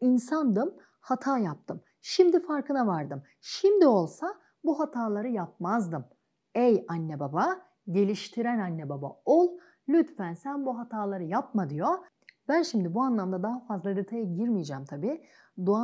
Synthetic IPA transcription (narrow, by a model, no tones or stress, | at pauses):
insand̪ɯm | hat̪ʰaːjap̚t̪ʰɯm | ʃimd̪ifaɾkɯnavaɾd̪ɯm | ʃimd̪io̞lˠsa | buɦat̪ʰaːlˠaɾɯjap̚mazd̪ɯm | ejanːebaba | ɟe̞lʲiʃt̪ʰiɾænanːebaba̰olˠ | lʲyt̪fænsænbuɦat̪ʰaːlˠaɾɯjap̚mad̪ɯjo | bænʃimd̪ibuanlˠamd̪ad̪aɦafazlˠad̪et̪ʰajaɟiɾmijd͡ʒamt̪ʰabiː | d̪ua